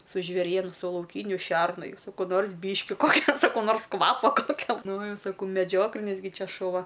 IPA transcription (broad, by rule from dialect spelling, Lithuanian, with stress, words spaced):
sʊ ʒʲʋʲeːˈrʲiɛnʊ sʊ lˠɐʊˈkʲiːnʲʊ ˈʃʲɛrnʊ ˈjɛʊ sɐˈkɐʊ ˈnoːrs ˈbʲiːʃʲkʲɪ ˈkoːkʲɛ sɐˈkɐʊ ˈnoːrs ˈkʋɑːpoː pɐkʲɛlˠˈnoːjɛʊ sɐˈkɐʊ mʲɛˈd͡ʒʲoːklʲɪnʲɪs ˈɡʲɪ ˈt͡ʃʲɛ ʃʊˈʋɐ